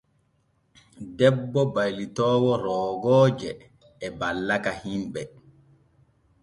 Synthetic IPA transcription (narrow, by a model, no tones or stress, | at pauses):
dɛbːɔbajlitɔːwɔɾɔːɡɔːd͡ʒɛː | balːakahimbɛ